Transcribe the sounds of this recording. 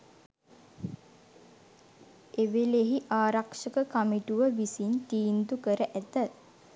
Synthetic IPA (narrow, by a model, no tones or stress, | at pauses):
ʔeʋeleɦiʔaːɾakʂəkəkamiʈuʋəʋisint̪iːnd̪ukəɾəʔæt̪ə